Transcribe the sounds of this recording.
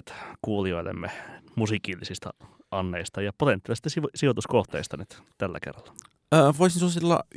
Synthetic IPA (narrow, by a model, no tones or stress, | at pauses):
t̪kuːlioilːḛmːemusikilːisist̪ɑ̰ | ɑnːeist̪ɑjɑpot̪ent̪ːˑilist̪ɑsisiot̪uskoht̪eist̪ɑnyt̪t̪ælːæ̰kḛrːɑlːɑ̥ | əːʋoisnsusilːɑ̰